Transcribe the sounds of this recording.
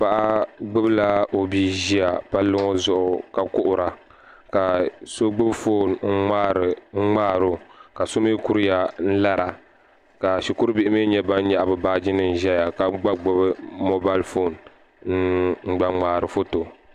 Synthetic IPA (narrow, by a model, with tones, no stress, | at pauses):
pa˨ʔa˦ɡ͡bɨ˦bɨ˦la˦o˨biː˦ʒi˦a˨pa˦lːɨ˦ŋo˦zʊ˦ʔʊ˨ka˨kʊ˦ʔʊ˨ɾa˨ | ka˨so˦ɡ͡bɨ˦bfoː˦˨nŋ̩˦ŋ͡ma˦ɾɨ˨˦ŋ͡maː˦˨ɾo˦ka˨so˦mɨ˦ku˦ɾɨ˦ja˨n̩˦la˦ɾa˨ | ka˨ʃi˨ku˦ɾɨ˦bi˦ʔɪ˦me˦ɲɛ˦ba˦n˦ɲa˦˨ʔbɨ˨baː˦d͡ʒi˦nɨ˨n˨ʒɛ˦ja˨ka˨ɡ͡ba˦ɡ͡bʊ˦bɨ˦mo˦ba˦lfo˦˨n | n̩˦ɡ͡ba˦ŋ͡maː˨ɾɨ˨fo˦to˨